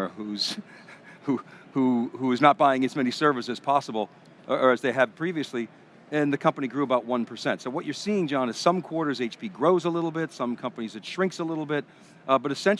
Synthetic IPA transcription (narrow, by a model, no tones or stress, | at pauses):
huz̥ | huhuhuznət̚b̥aɪɪ̃ŋɨzmɛnisɜ˞vɨsɨz̥pʰɑsəbl̩ˠ | ə˞ɨzðeɪɨd̚pʰɹ̥iviɨsli | ɨ̃nðɨkʰʌ̃mpəniɡɹʉəbaʊt̚wʌ̃npʰə˞sɛ̃ntsoʊwʌt͡ʃə˞siɪ̃ŋd͡ʒɑ̃nɨz̥sʌ̃mkʰw̥ɔɹɾə˞zeɪt͡ʃpʰiɡɹoʊzəlɪɾl̩ˠbɪtsʌ̃mkʰʌ̃mpənizðɨtʃɹ̥ɪ̃ŋksəlɪɾl̩ˠbɪt̚ | bʌɾɨsɛ̃n